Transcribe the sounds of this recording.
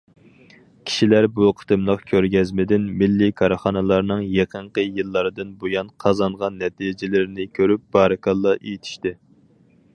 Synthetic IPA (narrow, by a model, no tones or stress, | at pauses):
kʲʰi̥ʃilæɾbuqʰə̥t̪ʰɨmlˠəqkʲʰøɾɡʲɛzmɪd̪ɪnmɪlːikʰɑɾχɑnɨlˠɑɾnɨŋjeqʰəɴqʰəjɨlˠːɑɾɨd̪ɨnbojɑnqʰɑzɑɴʁɑnːɛt̪id͡ʒɪlɪɾɪnɪkʲʰøɾyp̚b̥ɑːɾɨkʰɑlˠːɑʔejit̪ʰi̥ʃt̪ɪ